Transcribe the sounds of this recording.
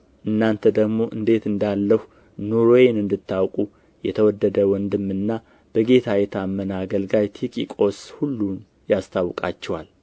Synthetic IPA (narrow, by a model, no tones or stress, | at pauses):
ʔɨnːant̪ʰəd̪əɡmo̞ʔɨ̰nd̪e̞t̪ɨnd̪alːəhu | nuɾojenɨnd̪ɨt̪ʰːawkʼu | jɛt̪ʰəwɔd̪ːəd̪əwɔnd̪ɨmːɨnːa | b̥əɡe̞t̪ʰajɛt̪ʰamːənaɡəlɡajt̪ʰikʼikʼo̞shulːun | jast̪ʰawkʼa̰t͡ʃːɛwal